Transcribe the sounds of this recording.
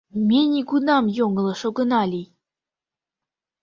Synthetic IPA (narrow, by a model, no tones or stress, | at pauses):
mʲenʲikunɑmjoŋɡɤ̆lˠɤ̆ʃoɡɤ̆nɑlʲij